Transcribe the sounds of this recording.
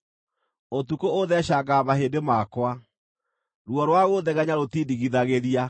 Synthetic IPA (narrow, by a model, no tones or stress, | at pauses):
otukooðɛɕaɡamaɦendemakwa | ɾwɔɾwaɣoðɛɣɛɲaɾotiːdiɣiðaɣeɾia